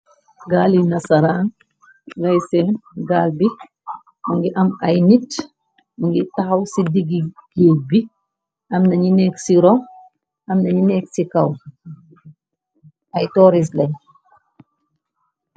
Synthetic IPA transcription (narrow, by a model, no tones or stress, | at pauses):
ɡaːlinɐsɐɾaːn | ɡɐjsɛnɡaːlbi | muŋɡiʔɐmɐjnit | muŋɡitaxɐwsidiɡiɡ̥eːbi | ʔɐmnɐɲinɛːksiɾɔ | ɐmnɐɲinɛːksikɐw | ɐjtɔːɾis̬lɐj